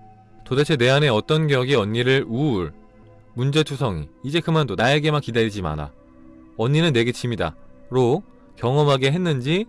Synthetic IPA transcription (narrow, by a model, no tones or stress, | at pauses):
todat͡ɕʰene̞ane̞ʌt͈ʌnɡejʌɡiʌɲːiɾɯɭuːɭ | mund͡ʑe̞tʰusʰʌŋiːd͡ʑe̞kɯmandonae̞ɡe̞makidaɾid͡ʑima̰na̰ | ʌɲːinɯnːe̞ɡet͡ɕʰimida̰ɾo | kjʌŋʌmɦaɡe̞ɦe̞nːɯnd͡ʑi